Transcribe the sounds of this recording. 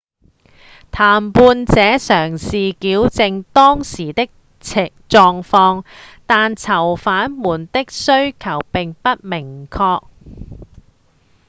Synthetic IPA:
t̪ʰaː˨˩mpuː˧nt͡sɛː˨˥sœː˨˩ŋsiː˨kiː˨˥wt͡sɪ˨˧ŋt̪ɔː˥ŋsiː˨˩t̪ɪ˥k̚ | t͡sʰ | t͡sɔː˨ŋfɔː˧ŋt̪aː˨nt͡sʰɐ˨˩wfaː˨˥nmuː˨˩nt̪ɪ˥k̚sɵ˥ɥkʰɐ˨˩wpɪ˨ŋpɐ˥t̚mɪ˨˩ŋkʰɔː˧k̚

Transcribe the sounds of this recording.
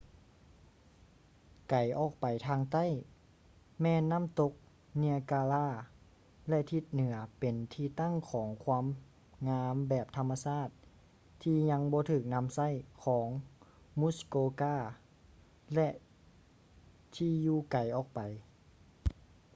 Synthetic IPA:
ka˨˩jʔɔː˨˩k̚pa˨˩jt̪ʰaː˧ŋt̪a˥˨j | mɛː˧˨nːa˧˥˨mt̪o˧k̚ | ni˧ɐkaː˧laː˧˥˩ | lɛ˧ʔt̪ʰi˧t̪̚nɯ˩˦ɐpe˨˩nt̪ʰiː˧t̪a˥˩˨ŋkʰɔː˩˦ŋkʰwaː˧˥˨m | ŋaː˧˥mbɛː˨˩p̚t̪ʰa˧mːa˧saː˧˥˩t̪̚ | t̪ʰːiː˧ɲa˧˥ŋbɔː˧˦t̪ʰɯː˨˩k̚na˧˥˨msa˧˥˩jkʰɔː˩˦ŋ | mu˧˥˨skoː˧kaː˧˥˩ | lɛ˧ʔ | t̪ʰiː˧juː˧ka˨˩jʔɔː˨˩k̚pa˨˩j

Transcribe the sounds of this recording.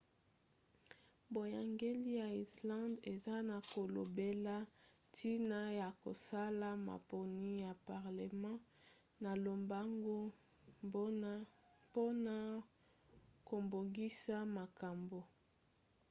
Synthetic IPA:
bo˨ja˨ŋɡe˦li˦ja˨i˨slɑ̃˦de˨za˦na˨ko˨lo̰˨be˦la˦ | tʰi˦na˦ja˨ko̰˨sa˦la˦ma̰˨po˨ni˦ja˨pa˨ʁle˨mɑ̃˦ | na˨lo˨mba˦ŋɡo˦ | bo˦na˦ | po˦na˨ | ko˨mbo˨ŋɡi˦sa˦ma˨ka˨mbo˨

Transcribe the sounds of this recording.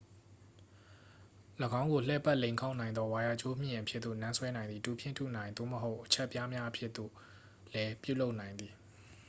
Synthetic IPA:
ləɡã˦ʊ̃ŋɡo˨l̥ɛ˦˨pa˦ʔlẽ˨ɪ̃kʰa˦ʊnã˨ɪ̃nd̪ɔ˦wa˨ja˨t͡ɕo˦m̥ɪ̃˨ʔə˨pʰjɪ˦t̪ðo̰˦˨nã˦nswɛ˦nã˨ɪ̃nd̪ði˨tu˨pʰɪ̰̃˦˨tʰṵ˦˨nã˨ɪ̃nd̪o̰˦˨məɦo˦ʊʔət͡ɕʰɛ˦ʔpja˦mja˦ʔə˦pʰjɪ˦ʔt̪ːo̰˦˨ | lɛ˦pjṵ˦˨lo˦ʊʔnã˨ɪ̃nd̪ði˨

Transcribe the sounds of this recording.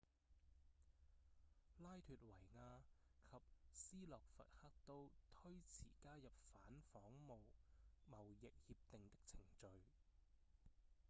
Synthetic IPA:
laː˥jt̪ʰyː˨t̚wɐ˨˩jŋaː˧kʰɐ˨p̚siː˥lɔː˨k̚fɐ̰˨t̚hɐ˥k̚t̪o˥wt̪ʰɵ˥ɥt͡sʰiː˨˩kaː˥jɐ˨p̚faː˨˥nfɔː˨˥ŋmo˨wmɐ˨˩wjɪ˨k̚hiː˧p̚t̪ɪ˨ŋt̪ɪ˥k̚t͡sʰɪ˨˩ŋt͡ʃɵ˨˧ɥ

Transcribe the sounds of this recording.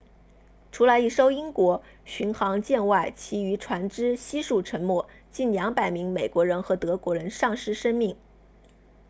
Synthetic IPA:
ʈ͡ʂʰu˧˥lə˧˥i˥˩ʂo˥ʊi˥ŋkwɔ˧˥ | ɕy˧˥nxɑ˧˥ŋt͡ɕjɛ˥˧nwa˥˩ɪt͡ɕʰi˧˥y˧˥ʈ͡ʂʰwa˧˥nʈ͡ʂɻ̩˥ɕi˥ʂu˥˩ʈ͡ʂʰə˧˥nmwɔ˥˩ | t͡ɕi˥˩nljɑ˧˥ŋpa˨˩ɪmi˧˥ŋme˨˩ɪkwɔ˧˥ɻə˧˥nxɤ˧˥t̪ɤ˧˥kwɔ˧˥ɻə˧˥nʂɑ˥˩ŋʂɻ̩˥ʂə˥nmi˥˩ŋ

